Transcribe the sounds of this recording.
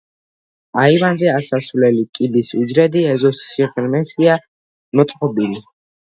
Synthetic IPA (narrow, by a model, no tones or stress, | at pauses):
aivanzɛasasvlɛlikʼibisud͡ʒɾɛd̪iɛzɔsːiʁɾmɛʃia | mɔt̪sʼqʼɔbili